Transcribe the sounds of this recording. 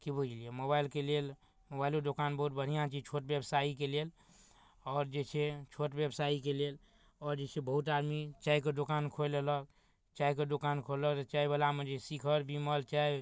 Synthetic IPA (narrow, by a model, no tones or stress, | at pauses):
kibud͡ʒʱliemobailkelel | mobailod̪okanbəɦut̪̚bəɽ̤ijãt͡ʃit͡ʃʰoʈbebsaikelel | ɔːɾd͡ʒet͡ʃʰet͡ʃʰoʈbjebsaikelel | ɔːɾd͡ʒet͡ʃʰebəɦut̪ad̪mit͡ʃaiked̪okankʰolələk | t͡ʃaikəd̪okankʰolət̪ɔt͡ʃaibəlamed͡ʒesikʰəɾbiməlt͡ʃaj